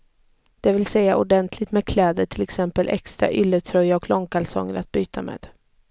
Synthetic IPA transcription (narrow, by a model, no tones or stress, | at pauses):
d̪̥ɛvɪlsɛjːaʔʊɖɛnt̪ʰlɪt̪meːd̪̚kʰlɛːd̪əʈʰɪlɛksɛmpəlʔɛ̰kst̪ɾa̰ʔʏlːət̪ʰɾœjːaɔkʰlɔŋkʰalsɔ̰ŋːəɾat̪̚byːt̪ʰamḛːd̪̥